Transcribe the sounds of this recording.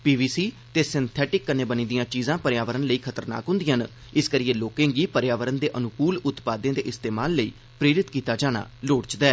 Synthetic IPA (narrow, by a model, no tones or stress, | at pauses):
piːʋiːsiː | t̪eːsɪnt̪ʰɛːʈɪkːənːeːbənĩːd̪ijãːt͡ʃiːzãːpəɾɪjaːʋəɾənləiːkʰət̪əɾna̰ːkɦʊ̃nd̪ɪjãːn | ɪskəɾiːeːloːkẽːɡiːpəɾjaːʋəɾənd̪eːʔənʊkuːlʊt̪paːd̪ẽːd̪eːʔɪst̪eːmaːlːəḭː | pɾeːɾɪt̪kiːt̪aːd͡ʒaːɽ̃a̰ːloːɽt͡ʃd̪ɛː